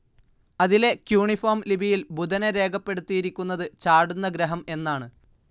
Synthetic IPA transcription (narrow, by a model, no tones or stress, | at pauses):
ɐðile̞kjuːɳifoːmlibʱijilbud̪ɐneɾe̞ːɡɐpːe̞ɽut̪ːijiɾikʲːunːɐðɨt͡ɕaːɽunːɐɡɾɐɦɐme̞nːaːɳɨ